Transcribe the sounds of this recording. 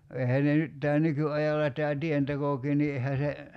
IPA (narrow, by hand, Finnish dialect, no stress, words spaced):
eihæː ne nyt tæː nykyɑjɑlːɑ tæː tientekokiː ni ehæ se